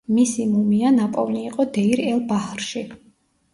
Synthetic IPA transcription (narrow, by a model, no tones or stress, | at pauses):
misimumianapʼɔvniːqʼɔd̪ɛiɾɛlˠbahɾʃi